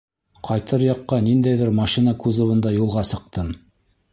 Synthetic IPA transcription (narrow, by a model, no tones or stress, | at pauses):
qʰɑjt̪ɤɾjɑqːɑnind̪æjðɘɾmɑʃinɑkʉzŏβɤ̆nd̪ɑjulˠʁɑsɤ̆q̚t̪ɤm